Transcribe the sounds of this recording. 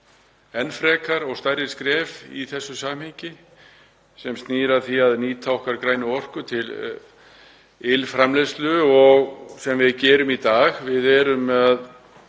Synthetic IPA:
ɛnfɾɛːkaɾɔɣst̪aːjɾɪ̥skɾɛːvḭθɛsːʏsaːmhɪɲcɪ | sɛmst̪niːɾaθiaðniːt̪ʰawhkaɾkɾaːjnʏɔr̥kʏt̪ʰɪl | ɪlfɾamlest̪lʏɔɣsɛmvɪðcɛːɾʏmit̪aːɣvɪðɛːɾʏmað

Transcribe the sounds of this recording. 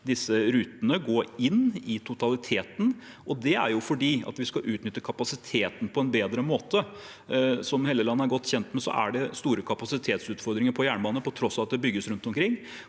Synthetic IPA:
d̪ɪsːəɾʉːt̪ənəɡoːɾɪnːɪt̪ʰʊt̪ʰɑlɪt̪ʰeːt̪n | ʔɔd̪ɛæ̰ɾjʊfɔɖiːɑ̰t̪ʋɪskɑʔʉːt̪nʏt̪ːəkʰɑpɑsɪt̪ʰeːt̪ən̩pʰɔɛnbeːd̪ɾəmoːt̪ə | sɔmheːləlɑnːəæɾɡɔt̪ːçɛnt̪mɛsɔ̰ʔæ̰ɖɛst̪uːɾəkʰɑpɑsɪt̪ʰeːt̪sʉːt̪fɔɾd̪ɾɪŋəɾpʰɔjæːɳboːnəəpɔt̪ʰɾɔsɑʋɑt̪̚d̪ɛbʏɡːəsɾʉnt̪ɔmkʰɾɪŋː

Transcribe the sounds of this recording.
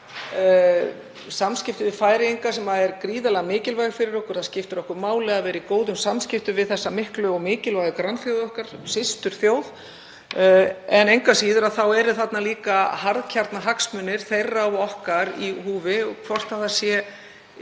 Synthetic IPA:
samscɪft̪ʏvɪðfaːjɾɪejŋkasɛmaðɛɾkɾiːðalɛɣamɪːcɪlvajɣɪfɪɾɪɾɔhkɔɾ̥θascɪft̪ʏɾɔhkʏɾmaːwlɛɣaðvɛːɾikoːwðʏmsamscɪft̪ʏvɪðθɛsːamɪhklʏɔɣmɪːcɪlvajɣðɪkɾanfjowðɔhkaɾ̥sɪst̪ʏɾ̥θjoːwð | ɛnejŋkasiːðʏɾaðθawɛɾʏθat̪naliːkahaɾðcʰaɾt̪naɦaksmʏnːɪɾ̥θejrːaɔhkaɾihuːvɪɔɣkʰvɔr̥t̪haðasjɛ

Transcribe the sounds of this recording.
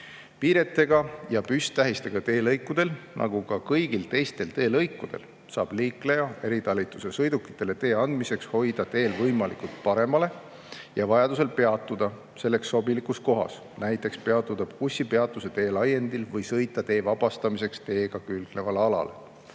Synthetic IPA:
piːɾe̞t̪ːe̞ɡ̥ɑjɑpyst̪æɦist̪e̞ɡ̥ɑt̪e̞ːlɤjkːˑud̪̥e̞lnʔɑ̰ɡ̥ukɑkɤjɡ̥ilt̪e̞jst̪e̞lt̪e̞ːlɤjkːˑud̪̥e̞̰l | sɑːb̥liːkle̞jɑe̞ɾit̪ɑlʲːit̪ːˑuse̞sɤjd̪ukːˑi̥t̪ːˑe̞le̞t̪e̞ːɑnd̪̥mise̞ksho̞jd̪̥ɑt̪e̞ːlvɤjmɑlikult̪̚pɑɾe̞mɑle̞ | jɑvɑjɑd̪use̞lpe̞ɑt̪ːˑud̪̥ɑ | se̞lːe̞ksːo̞bilikus̚ko̞ɦɑ̰s | næjt̪ːˑe̞kspe̞ɑt̪ːˑut̪ɑb̥kusʲːipeɑt̪ːˑuse̞t̪e̞ːlɑje̞nd̪ilvɤjsɤjt̪ːˑɑt̪e̞ːvɑb̥ɑst̪ɑmise̞kst̪e̞ːɡ̥ɑkylɡ̥nevɑlɑlɑ̰le̞̰

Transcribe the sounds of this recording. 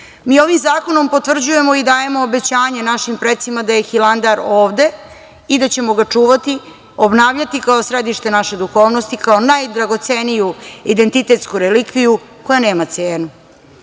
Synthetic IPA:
miːo̞ʋimzaːko̞no̞mpo̞t̪ʋr̩d͡ʑuje̞mo̞id̪aːje̞mo̞ːbe̞t͡ɕaːɲenaʃimpɾet̪simad̪ajexiland̪aɾoːʋd̪e̞ | id̪at͡ɕe̞mo̞ɡat͡ʂuːʋat̪i | obnaːʋʎat̪ikaosɾe̞d̪iʃt̪e̞naʃe̞d̪uxo̞ːʋno̞st̪ikao̞najd̪ɾaɡo̞t̪senijuid̪ent̪it̪et̪skuɾelikʋiju | ko̞jane̞ːmat̪seːnu

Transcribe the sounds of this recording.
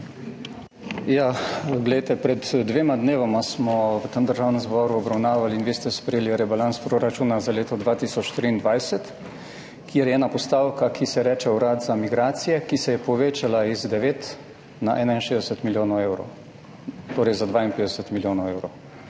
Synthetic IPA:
jaɡlɛjt̪ɛpɾɛt̪d̪ʋeːmad̪neːʋamasmɔʋət̪emd̪əɾʒaːwnənzbɔɾuɔbɾawnaːʋaliːnʋeːst̪ɛspɾɛjeːliɾɛbalanspɾoɾat͡ʃuːnazaleːt̪ɔd̪ʋaːt̪iːsɔt͡ʃt̪ɾiːnd̪ʋajsɛt̪ | kjeɾjɛɛːnapɔst̪aːwkakʰisɛɾɛːt͡ʃɛwɾaːd̪zamiɡɾaːt̪sijɛkisɛjɛpɔʋeːt͡ʃalaizd̪ɛʋeːt̪ | naʔɛːnainʃeːzd̪ɛsɛt̪miljoːnɔwewɾo̰w | t̪oːɾɛjzad̪ʋainpeːd̪ɛsɛt̪miljoːnɐwewɾow

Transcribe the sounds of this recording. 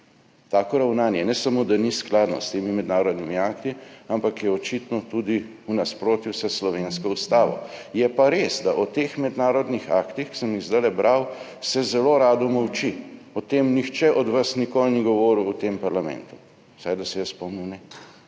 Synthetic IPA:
t̪aːkɔɾawnaːnjɛnɛsamod̪anisklaːd̪nɔ̰st̪eːmimɛd̪naːɾɔd̪nimiaːkt̪iampakjɛɔt͡ʃit̪nɔt̪ud̪i | unaspɾoːt̪juwsɛslɔʋeːnskɔust̪aːʋɔ̰jɛpaɾesd̪aʔɔt̪exmɛd̪naːɾɔd̪nixakt̪ixki̥səmmizd̪alɛbɾʔaw | sɛzɛloɾaːd̪ɔmɔwt͡ʃiɔt̪emnixt͡ʃɛʔɔd̪ʋasnikoːlniɡɔʋɔːɾuːt̪empaɾlamɛ̰nt̪u̥ | sajd̪asɛjɛspɔmniwnɛ

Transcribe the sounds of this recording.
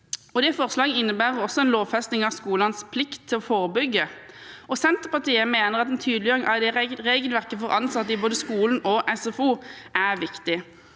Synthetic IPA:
ɔd̪ɛfɔʁslɑːɡəɪnːəbæːʁəʁɔsːɔɛnloːʋfɛst̪nɪŋɑʋskuːlɑnspʰlɪkt̪ʰːɪlɔfoːʁbʏɡːə | ɔsɛnt̪əʁpɑʁt̪ʰiːəmeːnəʁɑt̪ɛnt̪ʰyːd̪l̩jøːʁɪŋʔɑd̪ɛʁʁeːɡəlʋæʁkːəfɔʁʔɑnsɑt̪ːəɪboːd̪əskuːln̩ɔʔɛsɛfuːʔæʁʋɪkt̪ɪ

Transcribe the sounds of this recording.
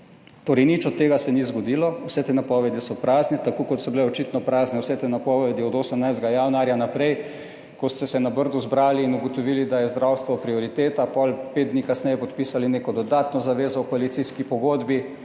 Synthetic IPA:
t̪oːɾɛjnit͡ʃɔt̪ːeːɡasɛnizɡɔd̪iːlɔwsɛt̪eːnapɔːʋɛd̪isɔpɾaːznɛt̪akoːkɔt̪sɔbilɛɔt͡ʃit̪nɔpɾaːznɛwsɛt̪enapɔʋɛd̪iɔd̪oːsəmnajzd̪ɡajanaːɾjanapɾɛj | kɔst̪ɛsɛnabəɾd̪uzbɾaːliːnuɡɔt̪ɔʋiːlid̪ajɛzd̪ɾawst̪ʋɔpɾioɾit̪eːt̪apɔlpeːd̪d̪nikasnɛjɛpɔt̪piːsalineːkɔd̪ɔd̪at̪nɔzaʋeːzɔkoalit̪siskipɔɡoːd̪bi

